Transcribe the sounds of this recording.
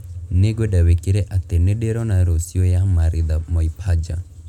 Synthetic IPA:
neɡwedawekiɾeʔat̪enedeɾɔnaɾosiojamaɾɪd̪amɔipʰad͡ʒa̰

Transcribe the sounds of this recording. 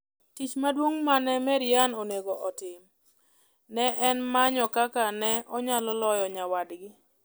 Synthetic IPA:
tit͡ʃmadwoŋmanɛmɛɾɪjanoneɡoʔɔtɪm | nɛʔɛnmaɲɔkakanɛɔɲalɔlɔjɔɲawadɡɪ

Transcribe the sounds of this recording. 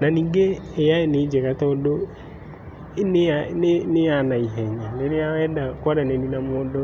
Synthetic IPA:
naniːŋɡeɛjaened͡ʒɛkatɔdo | eneanneanaiɦɛɲaneneawɛdakwaɾɛneninamɔdɔ

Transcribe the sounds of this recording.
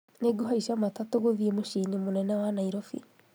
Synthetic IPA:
neɡoɦaisamatatoɣoðiemoʃiɲimonɛnɛwanaiɾɔfḭ

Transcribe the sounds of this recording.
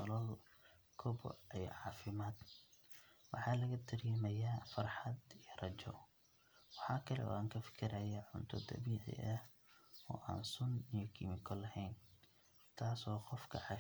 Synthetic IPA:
ɔlɐl | kʰɔbɔ̰ʔij̰ʕɑːfɪmaːd̪ | wɑħɑːlɐɣɐt̪ʰɪɾjɛmɐjaːfɑrħɑd̪ijrɐt͡ʃɔ̰ | wɑħɑːkʰɐlɛ̰ʔɔ̰ːaŋkʰɐfɪ̥kʰɪɾɐjaʕʊnt̪ʰɔd̪ɐ̰βiːʕɪ̰ʔɐh | ɔːʔa̰ːnsʊnijɔkʰɪmɪkʰɔlɐhɛjn | t̪ʰaːsɔːqɔfkʰɐ̰ʕɑ

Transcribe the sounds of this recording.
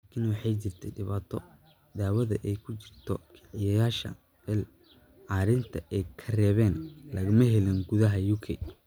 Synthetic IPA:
laːkʰɪnwɑħɑjt͡ʃɪrt̪ʰɛɖɪβaːt̪ʰɔ | d̪aːwɐðɐʔɛjkʰʊt͡ʃɪr̥t̪ʰɔkʰɑ̥ʕɪjɐjaːʃɐ̰ | ɛl | ʕɑːɾɪnt̪ʰɐʔɛjkʰɐrɛːβɛːnlɐɣɐmɐɦɛlɪnɡʊðɐɦɐjuːkʰɛ̰j

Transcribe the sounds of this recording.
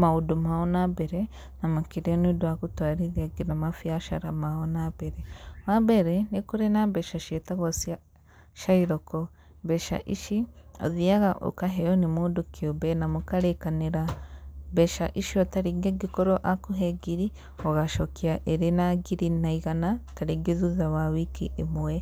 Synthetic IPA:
maudumaonabeɾe | namakiɾionudwakutwaɾiðiaɡinamafjaʃa̰ɾamahonabeɾemabeɾenikuɾenabeʃaʃetaɣosia | ʃaiɾoko | beʃa̰ʔiʃio̰ðiaɣaʔo̰kaɦejonimudukʰiobenamukaɾekaneɾabeʃaʔiʃiotaɾiɡeɡikoɾoʔakuɦeɡiɾi | oɣaʃokiaʔeɾinaɡiɾinaiɣanataɾiɡizuzawawikiʔemuwe

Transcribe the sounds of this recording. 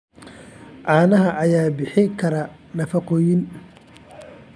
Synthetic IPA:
ʕɑːnɐɦɐʔɐjaːbɪħɪkʰɐɾɐ | nɐfɐqɔːjɪn

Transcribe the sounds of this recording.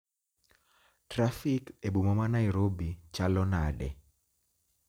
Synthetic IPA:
tɾafikebumɔmanaiɾobit͡ʃalɔnaɗɛ̰

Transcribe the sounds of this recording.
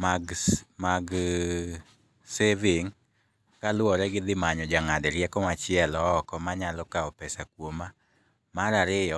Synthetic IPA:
maɡmaɡ | sevɪŋ | kalwɔɾɛɡɪd̪ɪmaɲɔd͡ʒaŋadɛɾjɛkɔmat͡ʃɪɛlɔːkɔmaɲalɔkaɔpɛsakwoma | maɾaɾɪjɔ

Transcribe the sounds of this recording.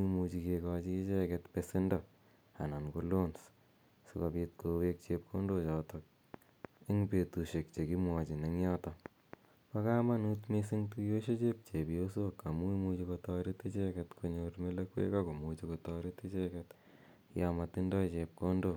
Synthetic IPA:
imut͡ʃikekɔt͡ʃiːt͡ʃekɛtpesindɔ | a̰nankolons | sukapit̚kʰowek̚t͡ʃep̚kʰondot͡ʃɔtɔk̚ | iŋpetuʃek̚t͡ʃekimwɔt͡ʃineŋjɔtɔ | pakamanutmesiŋtujoʃet͡ʃep̚t͡ʃebijosokamuimut͡ʃikotɔɾit̪it͡ʃekɛt̪kʰoɲoɾmelɐkwḛkakomut͡ʃikotɔɾitit͡ʃɛkɛt̪ | jamatindɔt͡ʃep̚kondo

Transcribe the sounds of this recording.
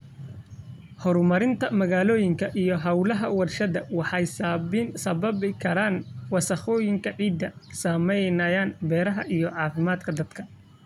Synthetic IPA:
hɔɾmɐɾɪnt̪ʰɐmɐɣaːlɔːjɪŋkʰɐʔijɞɦɐwlɐɦɐwɑrʃɐðɐwɑħɑjsaːβɪnsɐβɐβɪkʰɐɾaːnwɑsɐχɔːjɪŋkʰɐʕiːd̪ːɐsaːmɛjnɐjaːnbɛːɾɐɦɐʔijɔʕɑːfɪmaːd̪kʰɐd̪ɐd̪̥kʰɐ

